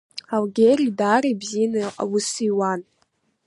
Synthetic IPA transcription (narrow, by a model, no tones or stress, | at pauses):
awɡʲeridaːɾebzinaa̰wʊsiwan